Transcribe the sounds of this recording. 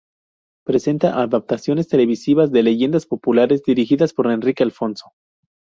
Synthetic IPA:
pɾe̞se̞nt̪aʔaðap̚t̪asjo̞ne̞st̪e̞le̞β̞isiβazðe̞le̞ʝe̞nd̪aspo̞pulaɾe̞zd̪iɾixiðaspo̞ɾe̞nrikealfo̞nso̞̥

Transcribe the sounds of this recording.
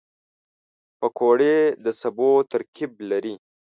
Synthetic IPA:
pəkʰoɽed̪əsabot̪aɾkʰib̚laɾi

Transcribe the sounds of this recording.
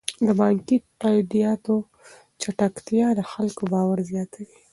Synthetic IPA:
d̪əbɑŋki | ad̪ijɑt̪o | t͡ʃaʈakt̪jɑd̪əxalkobɑwaɾzjɑt̪ʰawi

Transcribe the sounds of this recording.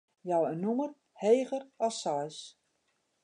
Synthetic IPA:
jawənːumər | heːɣərɔlˠsɔjs

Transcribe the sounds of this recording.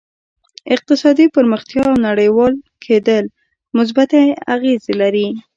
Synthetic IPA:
ɪq̚t̪ɪsɑd̪ipəɾməxt̪jɑawnaɽəjwɑlkʰed̪əl | mʊs̬bat̪aa̰ɣezelaɾi

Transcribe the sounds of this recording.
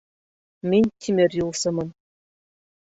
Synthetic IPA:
mʲinʲt̪ʲʰimʲerʲjulˠsɤ̆mɤ̆n

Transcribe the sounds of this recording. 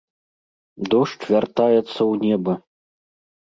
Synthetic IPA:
d̪ɔʂt͡ʂvʲart̪ajɛt̪sːɐwnʲɛbɐ

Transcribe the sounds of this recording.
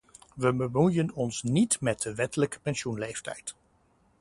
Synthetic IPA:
ʋəbəmujənɔnsnitmɛt̚dəʋɛtələkə̥pɛnsunlejftɛ̰jt

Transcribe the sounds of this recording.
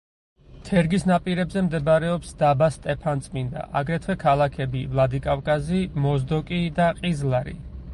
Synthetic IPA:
t̪ʰɛɾɡisnapʼiɾɛbzɛmd̪ɛbaɾɛɔpsd̪abast̪ʼɛpʰant̪sʼmind̪a̰ʔaɡɾɛt̪ʰwɛkʰalˠakʰɛbivlˠad̪ikʼafkʼazimɔzd̪ɔkʼid̪aqʼizlˠaɾḭ

